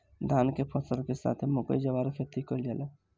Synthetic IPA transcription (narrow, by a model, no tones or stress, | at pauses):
d̪ʱaːnkepʰəsəlkesa̰ːt̪ʰmʊkə̰id͡ʒɐʋaːɾkʰet̪ikold͡ʒaːle